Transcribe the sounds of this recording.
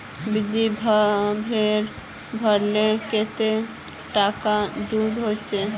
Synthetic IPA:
bid̪ibʱbʱeɾ | bʱəɾleket̪e | ʈakad̪ud̪ɦot͡ʃe

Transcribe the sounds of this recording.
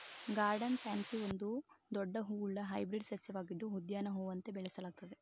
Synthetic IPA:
ɡaːɾɖɐnpaːnsiond̪ud̪ɔɖːɐɦuːuɭːɐɦɐjbɾiɖsɐsjɐʋaːɡid̪ːuɦud̪jaːnɐɦuːʋɐnt̪e̞bɛɭɐsɐlaːɡ̚t̪ɐd̪e

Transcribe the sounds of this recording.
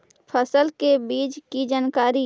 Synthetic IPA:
pʰəsəlkebiːd͡ʒkid͡ʒaːnkaːɾi

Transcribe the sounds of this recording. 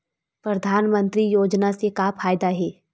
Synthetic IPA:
pɾɐd̪ʱaːnmə̃nt̪ɾijoːd͡ʒnasekaːpʰaːjd̪aɦɛː

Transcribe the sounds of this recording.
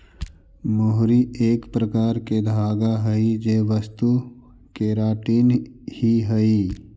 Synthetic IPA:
moɦɾieːkpɾəkaːɾked̪ʱaːɡaɦɐid͡ʒeːʋəst̪u | keɾaːʈiːnhiɦəi

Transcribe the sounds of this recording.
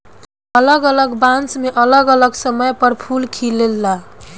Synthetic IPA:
ələɡələɡbãnsmeʔələɡələɡsəməjpəɾpʰulkʰilelːa

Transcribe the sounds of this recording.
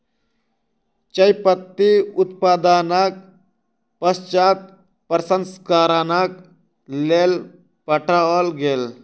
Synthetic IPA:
t͡ʃəjpət̪ːiut̪pad̪anak̚ | pəst͡ʃak̚ | pɾəsənskaɾanak | lel | pəʈʰalɡel

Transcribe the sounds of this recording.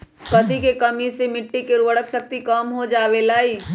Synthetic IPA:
kɐt̪ikekɐmisemɪʈːikɪɾʋəɽəksək̚t̪ikəmɦod͡ʒaːʋelaːiː

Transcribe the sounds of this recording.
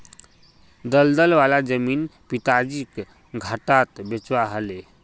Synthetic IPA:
d̪əld̪əlʋalad͡zəmiːnpit̪ad͡ʑiːk | ɡʱaʈat̪bet͡sʋaaɦale

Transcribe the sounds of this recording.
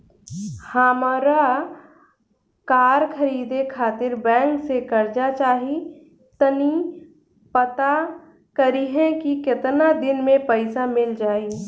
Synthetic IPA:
hamaɾa | kaːɾkʰəɾiːd̪ekʰaːt̪ɪɾbɛ̃ːŋksekɐɾd͡ʒat͡ʃaːɦi | t̪əni | pət̪a | kəɾiɦɛ̃kikɪt̪nad̪ɪnmẽpəɪsamɪld͡ʒaːi

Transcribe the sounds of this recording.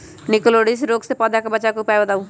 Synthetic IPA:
nɪkloːɽisɾoːksepɐd̪ʱakobɐt͡ʃakupɛbɐd̪aːũ

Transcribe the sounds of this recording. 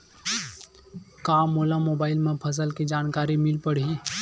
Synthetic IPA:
kãːmoːlamoːbaːɪlmẽpʰəs̬əlked͡ʒaːnkaːɾimɪlpəɽii

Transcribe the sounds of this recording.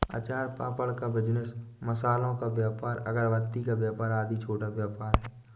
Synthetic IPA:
a̰t͡ʃaːɾpaːpəlkabɪd͡ʒnəsməsaːlõkabjaːpaːɾə̰ɡəɾʋət̪ːikabjaːpaːɾaːd̪it͡ʃʰoːʈaʋjaːpaːɾɦɛː

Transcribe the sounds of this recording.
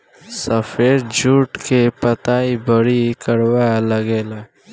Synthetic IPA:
səfeːɾd͡ʒʱuːʈkepət̪aːibəɽikəɽwaləɡeːlaː

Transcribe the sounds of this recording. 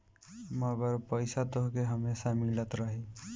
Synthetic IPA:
məɡəɾpəɪsat̪oɦkeɦəmesamilət̪ɾəɦi

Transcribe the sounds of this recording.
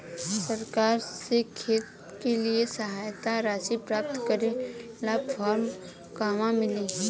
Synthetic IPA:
səɾkaːɾsekʰeːt̪ | keliesɐɦaːjt̪aɾaːsipɾaːp̚t̪kəɾe | lapʰaːɾm | kaːmãmɪle

